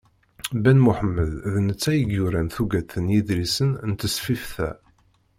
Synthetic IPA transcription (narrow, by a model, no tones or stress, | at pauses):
bænmʊħəmːəððnət͡sːæjəɡjuɾænθuɡæt̪ːənjid̪ɾisənnt̪ːəsfifθæ̰